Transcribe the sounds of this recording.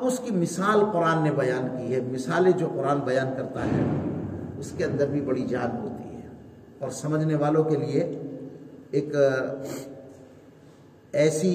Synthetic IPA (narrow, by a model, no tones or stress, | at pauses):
ɐbʊskimɪsaːlqʊɾaːnːebɐjaːnkiɦɛmɪsaːled͡ʒoːqʊɾaːnbɐjaːnkɐɾt̪aɦɛ̰ | ʊskeɐ̃nd̪əɾbʱibɐɽid͡ʒaːnɦo̰ːt̪ḭɦɛː | ɔːɾsɐməd͡ʒʱneʋaːlõkelie | eːk | ɛːsi